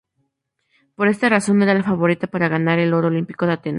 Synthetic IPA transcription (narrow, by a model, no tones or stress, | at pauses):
po̞ɾe̞st̪araso̞ne̞ɾalafaβo̞ɾit̪apaɾaɣanaɾe̞lo̞ɾoolimpi̥ko̞ðeat̪e̞na